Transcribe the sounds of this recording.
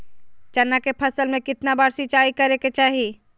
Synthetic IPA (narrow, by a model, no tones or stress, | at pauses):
t͡ʃɐnːakepʰɐsəlmẽkɪt̪nabaːɽsɪt͡ʃaːikɐɾeket͡ʃaːɦi